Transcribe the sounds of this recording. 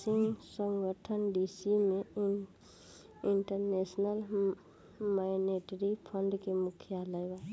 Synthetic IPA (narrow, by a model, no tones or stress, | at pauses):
sɪ̃ŋɡsə̃ŋɡəʈʰənɖisimẽ | ɪɳʈəɾneːsnəl | maɪneʈɾipʰəɳɖkemʊkʰjaləjʋa